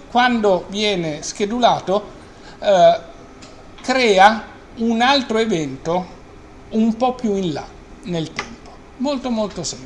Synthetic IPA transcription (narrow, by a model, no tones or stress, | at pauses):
kwand̪ovjɛːnesk̟ed̪ulaːt̪o | kɾɛːa | unalt̪ɾoevɛnt̪o | umpɔpːjuinla̰ | nelt̪ɛmpo̥ | molt̪omolt̪osɛ